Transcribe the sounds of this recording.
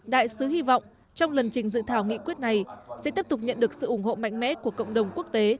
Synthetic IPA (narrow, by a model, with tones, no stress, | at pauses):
ɗa̰ː˧˨jsɨ˨˦hi˧vɔ̰˧˨wŋ͡m | t͡ɕɔ˧wŋ͡mlə˨˩nt͡ɕï˨˩ŋ̟zɨ̰˧˨t̪ʰaː˧˩wŋḭ˧˥kwi˦˥ət̚na˨˩jsɛ̰˧˥t̪i˦˥əp̚t̪ʊ˨˩k͡p̚ɲə̰˧˨nɗɨ˨˩ək̚sɨ̰˧˨ʔʊ˧˩ŋ͡mho̰˧˨ma̰˧˨jŋ̟mɛ̰˧˥ku˧˩əkə̰˧˨wŋ͡mɗə˨˩wŋ͡mku˦˥ək̚t̪e˨˦